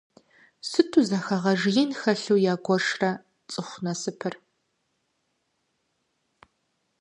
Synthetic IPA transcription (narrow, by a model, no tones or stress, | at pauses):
sɨtʰuzɐxɐʁɐʒjɪnxɐɬuːjaːɡʷɔʂrɐ | t͡sʼɨχʷnɐsɨpʰɨr